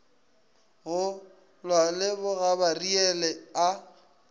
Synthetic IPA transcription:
ɣʊ | lwalɪbʊɣabariɛlɛa

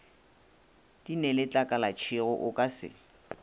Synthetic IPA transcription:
d̥inɛlɪt͡ɬʼakʼalat͡ʃʰɪɣʊʔʊkʼasɪ̰

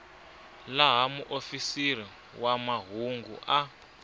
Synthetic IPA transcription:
laɦamuʔofisir̤i | wamaɦuŋɡṵʔa

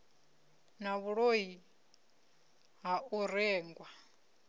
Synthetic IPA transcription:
naβuɺoɦi | ɦauɾɛːŋɡwa

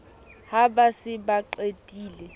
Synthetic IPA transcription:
habasɪbaǃetʼiːlɛ

